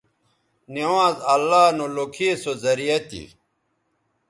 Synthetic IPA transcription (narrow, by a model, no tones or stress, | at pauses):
newãːzɐlːaːnolokʰisozɐɾijɐt̪ḭ